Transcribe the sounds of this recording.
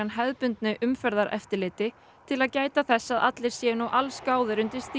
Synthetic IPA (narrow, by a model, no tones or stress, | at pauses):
anɦɛðpʏnt̪nɪʔʏmfɛɾðaɾʔɛ̰ft̪ɪɾlɪːt̪ɪ | t̪ʰɪlaðcaːjt̪aθɛsːaðʔa̰t̪lɪɾ̥sjɛnuwʔalskaːwðɪɾʏnt̪ɪɾ̥st̪i